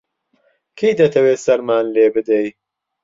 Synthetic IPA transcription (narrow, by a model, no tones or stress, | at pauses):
kʰejd̪ɐt̪ʰɐweːsɐɾmaːnleːbɨd̪ej